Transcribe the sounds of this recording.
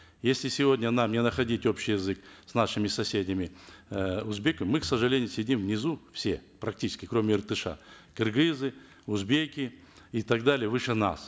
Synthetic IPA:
jesʲlʲɪsʲɪvo̞dʲnʲənamnʲɪnəxɐdʲitʲo̞pɕɪjɪzɨksnaʂɨmʲɪsɐsʲedʲɪmʲɪ | ʊzbʲekəmɨksəʐɨlʲenʲɪjʊsʲɪdʲimvnʲɪzufsʲe̞̰pɾɐk̚tʲit͡ʃɪ̥skʲɪkɾo̞mʲɪɪrt̪ɨʂa̰ | kɨrɡɨzɨ | ʊzbʲekʲɪ | it̪ɐɡd̪alʲɪjəvɨʂəna̰s

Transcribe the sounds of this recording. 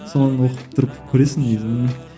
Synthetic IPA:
sonənwoqəp̚t̪ʰʊɾəpkʲʰɵɾesɪŋed̪ɪm

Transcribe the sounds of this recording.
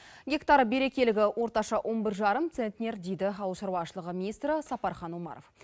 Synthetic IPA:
ɡʲe̞kt̪ɑɾbe̞ɾe̞kʲe̞lɪɡʲɪwo̞ɾt̪ɑʃɑwʔo̞nbɪɾʒɑɾəmt̪sent̪nʲe̞ɾd̪e̞jd̪ɪɑwˠəʃɑɾwɑʃəlˠəʁəmʲinist̪ɾəsɑpɑɾχɑnwomɑ̰ɾo̰f

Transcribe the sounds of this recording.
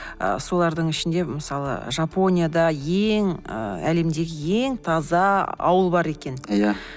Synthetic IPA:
ə̰so̞lˠɑɾd̪əɴɪʃɪnd̪e̞məsɑlˠə̰ʒapo̞nʲijad̪ɑjeŋə̰æle̞md̪e̞ɡʲɪje̞ŋt̪ʰɑzɑɑ̰wəlˠbɑɾe̞kʲe̞nja

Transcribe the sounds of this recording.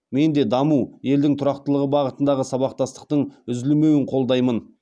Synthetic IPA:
me̞nd̪e̞d̪ɑmuje̞ld̪ɪŋt̪ʰʊɾɑqt̪əlˠəʁəbɑʁət̪ənd̪ɑʁəsɑβɑq̚t̪ɑst̪ə̥q̚t̪əɴʏzɪlme̞wɪɴqʰo̞lˠd̪ɑjmən

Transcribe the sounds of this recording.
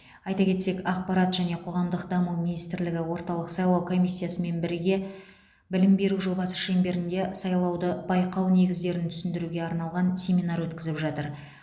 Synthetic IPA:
ɑjt̪ɑkʲʰe̞t̪se̞kɑqpɑɾɑt̪ʒæne̞qʰo̞ʁɑmd̪əq̚d̪ɑmumʲinijst̪ɪɾlɪɡʲɪwo̞ɾt̪ɑlˠəqsɑjlˠɑwkʰo̞mijsʲːijasəme̞nbɪɾɪɡʲe̞ | bɪlɪmbe̞ɾuʒo̞bɑsə̥ʃe̞mbe̞ɾɪnd̪e̞sɑjlˠɑwd̪əb̥ɑjqɑwne̞ɡʲɪzd̪e̞ɾɪnt̪ʰʏ̥sɪnd̪ɪɾuɡʲe̞ɑɾnɑlˠʁɑnsʲe̞mʲinɑɾwɵt̪kʲɪzɪpʒɑt̪əɾ

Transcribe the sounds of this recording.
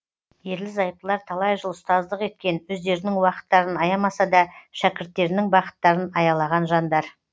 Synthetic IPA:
je̞ɾlɪzɑjp̚əlˠɑɾt̪ʰɑlˠɑjʒəlˠəst̪ɑzd̪əqe̞t̪̚kʲe̞nwɵzd̪e̞ɾɪnɪŋwɑqə̥t̪ːɑɾənɑjɑmɑsɑd̪ɑʃækʲɪɾt̪ːe̞ɾɪnɪŋbɑqə̥t̪ːɑɾənɑjɑlˠɑʁɑnʒɑnd̪ɑɾ

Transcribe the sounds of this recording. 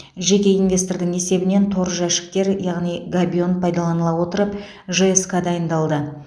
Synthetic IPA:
ʒe̞kʲe̞invʲe̞st̪o̞rd̪ɪŋe̞se̞bɪne̞nt̪ʰo̞ɾəʒæʃɪ̥k̚t̪e̞ɾjɑʁnijɡabʲio̞npʰɑjd̪ɑlˠɑnəlˠɑwo̞t̪əɾəp | ʒeeskad̪ɑjənd̪ɑlˠd̪ə

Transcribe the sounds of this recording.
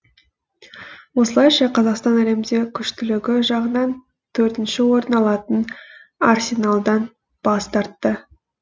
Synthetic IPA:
wo̞səlˠɑjʃɑqʰɑzɑqst̪ɑnæle̞md̪ekʲʰʏʃt̪ʏlɪɡʲɪʒɑʁənɑn | t̪ʰɵɾt̪ɪnʃɪwo̞ɾnɑlˠɑt̪ənarsʲe̞nalˠd̪ɑn | b̥ɑst̪ɑɾt̪ːə

